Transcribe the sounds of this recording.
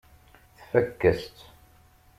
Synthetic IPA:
θfækːəst̪

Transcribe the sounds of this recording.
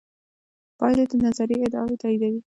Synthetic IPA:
pɑjlad̪ənazaɾiɪd̪ɑ̰et̪ɑid̪awi

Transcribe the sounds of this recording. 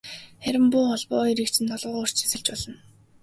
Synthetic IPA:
χæɾʲɪ̆mpʊːχɔɮpɔːiɾɘ̆kt͡ɕʰɘ̆nt̪ʰɔɮʁʊːʁɵr̥t͡ɕʰĭ̥sɘ̆ɬt͡ɕpɔɮə̆n

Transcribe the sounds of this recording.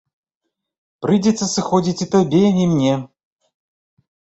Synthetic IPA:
pɾɨdʲɪt̪sɐsɨxɔdʲit͡sʲit̪ɐbʲeimnʲe

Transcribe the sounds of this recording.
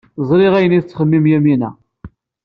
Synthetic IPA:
zˤɾˤɪʁæjəniðt͡sːχəmːimjæminæ̰

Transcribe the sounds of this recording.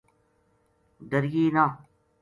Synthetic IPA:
d̪əɾjiːna

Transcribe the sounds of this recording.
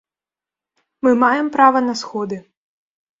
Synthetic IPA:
mɨmajɛmpɾavɐnɐsxɔd̪ɨ

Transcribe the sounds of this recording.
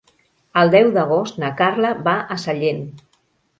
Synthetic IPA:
əlˠd̪ɛwd̪əɣ̞ost̪nakarləβaʔəsəʎen

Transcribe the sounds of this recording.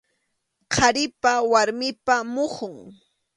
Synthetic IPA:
qʰɑɾɪpawaɾmɪpamʊχʊŋ

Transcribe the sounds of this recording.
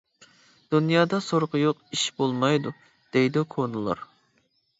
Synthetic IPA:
d̪̥unjɑːd̪ɑsoɾqjoqiʃbolˠmɑjd̪u | d̪̥ejd̪ukʰonulˠɑ̰ɾ

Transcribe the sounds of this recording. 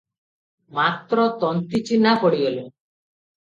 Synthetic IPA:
mat̪ɾɔt̪ɔnt̪it͡ʃinapɔɽiole

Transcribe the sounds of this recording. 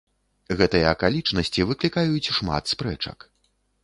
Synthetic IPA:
ɣɛt̪ɨjɐɐkalʲit͡ʂnɐsʲt͡sʲivɨklʲikajut͡sʲʂma̰t̪spɾɛt͡ʂɐ̰k

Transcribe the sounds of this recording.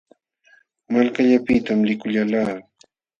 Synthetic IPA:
malkaʎapɪt̪amlɪkʊʎalaː

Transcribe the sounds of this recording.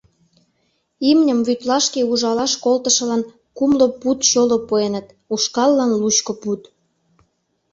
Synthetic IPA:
imnʲəmβyt̪lɑʃkeuʒɑlɑʃkolt̪əʃə̆lɑn | kumloput̪ɕolopuenət̪ | uʃkɑlːɑnlut͡ɕkoput̪

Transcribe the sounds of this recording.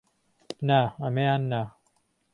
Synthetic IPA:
naɐmejaːnːa

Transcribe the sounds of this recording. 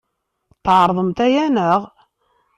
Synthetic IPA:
t̪ˤːʕɾˤðˤəmt̪æjænəʁ

